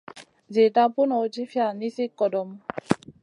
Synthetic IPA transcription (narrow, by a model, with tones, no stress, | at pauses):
ze˨ta˦pu˦nɔ˨˦t͡ʃi˦fja˨ni˦si˦kːɔ˨dɔ˧m